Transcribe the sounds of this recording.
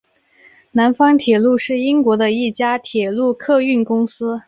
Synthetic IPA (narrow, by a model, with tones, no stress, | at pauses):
na˧˥nfɑ˥ŋt̪ʰjɛ˨˩lu˥˧ʂɻ̩˥˩i˥ŋkwɔ˧˥d̪ə˧i˥˩t͡ɕja˥t̪ʰjɛ˨˩lu˥˧kʰɤ˥˧y˥˩nkʊ˥ŋsɹ̩˥